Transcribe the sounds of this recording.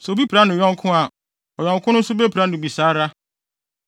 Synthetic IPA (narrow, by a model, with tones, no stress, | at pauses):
sɛ˨o˨bi˦pʰɾa˨˦nʊ̃˨jɔ̃˦ŋ˦kʰʊ̃˦a˨ | ɔ˨jɔ̃˨ŋ˨kʰʊ̃˦nʊ̃˦n̩˦sʊ˦be˦pʰɾa˦nʊ̃˨bi˨saː˨˦ɾa˦